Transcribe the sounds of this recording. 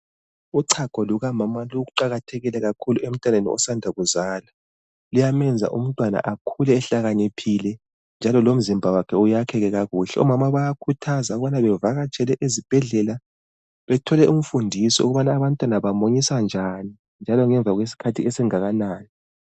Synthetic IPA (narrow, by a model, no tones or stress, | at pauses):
uǀʰaɡ̥ʱɔluɣamamaluɣuǃaɣatʰɛɣilɛɣakʰuluʔem̩tʼanenḭɔ̰sandʱaɣuzaːla | lijamɛnd͡zʱa̰ʔum̩tʼwana̰ʔakʰulɛːɬaɣanipʰilɛ | nd͡ʒʱalɔlom̩zimbʱawakʰɛujakʰɛɣɛɣaɣuːɬɛ̰ɔmamaβajakʰutʰazauɣuβanaβɛvaɣat͡ʃʰʼɛlɛʔizib̥ʱɛɮɛla | βɛtʰɔlɛum̩fundʱisiṵɣuβanaːβantʼwanaβamoɲisand͡ʒʱani | nd͡ʒʱalɔŋɛɱvʱaɣwes̬i̥kʰatʰiɛsɛŋaɣanaːni